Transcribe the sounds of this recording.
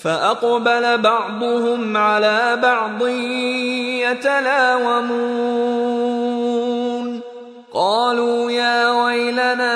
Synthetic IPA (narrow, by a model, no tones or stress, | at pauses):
faʔɑqbalabɑʕd̪ˤʊhʊmʕalaːbɑʕd̪ˤɨ | jat̪alaːwamuː | n | qɑːluːjaːwajlanaː